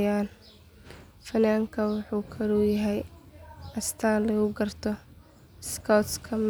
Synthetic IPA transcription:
aːl | fɐnaːŋkʰɐwɑħuːkʰɐɾujɐɦɛj | ɐst̪ʰaːlɐɣʊɡɐrt̪ʰɔ | skʰawt̪skʰɐm

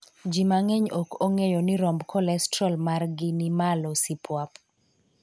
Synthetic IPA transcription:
d͡ʒimaŋeɲokoŋejonɪɾɔmbkʰɔlɛstɾɔlmarɡɪnimalɔsipwap

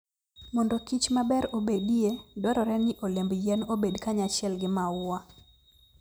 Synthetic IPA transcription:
mɔndɔkit͡ʃmabɛɾobediedɔɾɔɾɛnɪʔolembjɛnobedkaɲat͡ʃɪɛlɡɪmaʊa

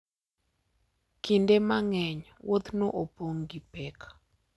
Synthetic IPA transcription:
kindemaŋɛɲ | wot̪noʔopoŋɡipɛk

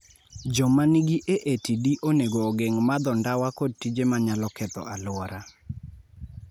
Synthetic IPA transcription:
d͡ʒɔmaniɡiʔeʔetidiʔoneɡoːɡeŋmad̪ɔndawakod̚tid͡ʒemaɲalɔkɛt̪ɔ̰alʊwɔɾa

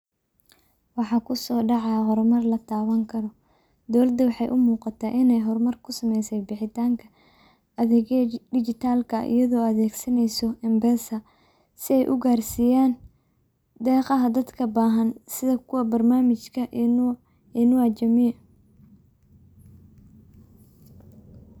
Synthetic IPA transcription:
wɑħɑːkʰʊsɔːɖɑʕɑjɦɔrmɐrlɐt̪ʰaːwɐŋkʰɐɾɔ | d̪ɔwlɐd̪ɐwɑħɑjʔʊmuːqɑt̪ʰaːʔɪnɛjɦɔrmɐrkʰʊsɐmɛjsɛjbɪħɪt̪ʰaːŋkʰɐ̥ | ðɛɖɪt͡ʃɪt̪ʰaːlkʰɐḭjɐðɔːɐðɛːɡsɐnɛjsɔɛmbɛːsɐ | sɪɛjʔʊɡaːrsiːjaːn | d̪ɛːqɑɦɐd̪ɐd̪kʰɐbaːɦɐnsɪðɐkʰʊwɐbɐrnaːmɪt͡ʃkʰɐ | ɛnʊɐt͡ʃɐmi

